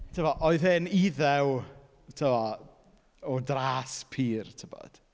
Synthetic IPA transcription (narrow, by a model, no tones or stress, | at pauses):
tʰəvɔʔɔɨðhɪniðɛw | tʰəvɔ | ɔdraːspʰiːrtʰəbɔ̰d̥